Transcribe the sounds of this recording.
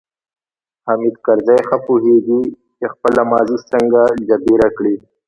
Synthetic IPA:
hamid̪kaɾzajxapuɦeɡi | t͡ʃexpəlamɑːzisəŋɡad͡ʒabiɾakɽi

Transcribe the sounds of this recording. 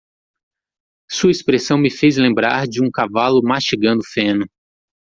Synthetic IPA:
suɐispɾesɐ̃w̃mɪfezlẽmbɾaɾd͡ʒɪũkavalʊmaʃt͡ʃiɡɐ̃nd̪ʊfẽnʊ

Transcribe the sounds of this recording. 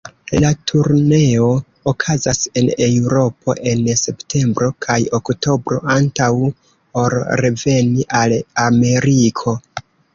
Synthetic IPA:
latʰuɾne̞o̞ | okʰazase̞newɾo̞pʰo̞̰ʔe̞nse̞ptʰe̞mbɾo̞kʰajokto̞bɾo̞̰ʔantaw | oɾɾe̞ve̞niʔalame̞ɾikʰo̞

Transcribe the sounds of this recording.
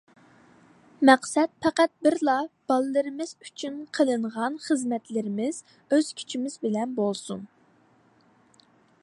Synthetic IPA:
mɛqsɛt̪̚pʰɛqæt̪̚bɪɾlˠɑb̥ɑlˠɨlɨɾɨmɪz̥yt͡ʃʰynqʰəlˠɨɴʁɑnχəzmɛt̪lɪɾɪmɪz̥ | øz̥kʲʰy̥t͡ʃʰimɪzbɪlɛnbolˠsun

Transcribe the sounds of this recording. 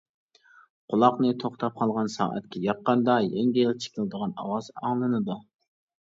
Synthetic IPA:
qʰʊlˠɑqnɨt̪ʰoχt̪ʰɑp̚qʰɑlˠʁɑnsɑ̰ːʔɛ̰t̪kʲʰɛjɑqːɑnd̪ɑjɛŋɡʲilˠt͡ʃʰe̥kʲʰɪlˠd̪əʁɑnɑ̰wɑzɑŋlˠɨnɨd̪u

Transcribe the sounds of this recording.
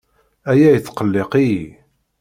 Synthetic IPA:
æjæjət͡sːqəlːeqiji

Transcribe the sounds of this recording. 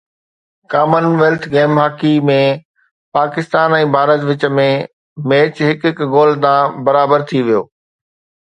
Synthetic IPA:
kaːmənʋeːlt̪ʰɡeːmɦaːkimẽ | paːkɪst̪aːnɛ̃ːbʱaːɾət̪ʋɪt͡ɕ̆mẽ | meːt͡ɕɦɪkɦɪkɡoːlt̪ãbɐɾaːbəɾt̪ʰiʋijoː

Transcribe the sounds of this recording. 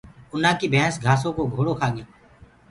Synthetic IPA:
ʊn̤ãːkiːbʱɛ̃ːsɡʱaːsõːkoːɡʱoːɽoːkʰaːɠɪjõː

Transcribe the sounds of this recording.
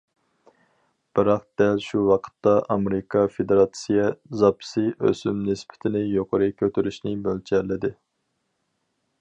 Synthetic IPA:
b̥ɨɾɑq̚d̪̥ɛlʃuwɑqʰə̥t̪ːɑʔɑmeɾɪkʰɑfed̪eɾɑt̪sijɛzɑpʰsɨʔø̰symnɪspʰɪ̥t̪ʰɪnɪjoqʰoɾɨkʲʰøt̪ʰyɾyʃnɪbølt͡ʃʰɛɾlːɪd̪ɪ

